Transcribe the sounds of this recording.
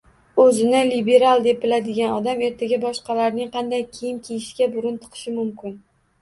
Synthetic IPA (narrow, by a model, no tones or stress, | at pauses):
ɵzɪnɪlibe̞ɾalˠd̪e̞p̚bɪlad̪ɪɡʲanɒd̪ame̞ɾt̪ʰaɡʲabɒʃqɑlaɾnɪŋqʰɑnd̪ajkʲʰijɪmkʲʰejɪʃɡʲabʊɾʊnt̪ʰɨ̥qʰɨ̥ʃɪmʊmkʲɪn